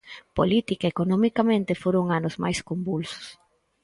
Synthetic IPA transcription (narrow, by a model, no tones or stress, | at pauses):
polit̪ikaekonomikamẽnt̪ɪfoɾoŋanʊzmajskombulsʊ̥s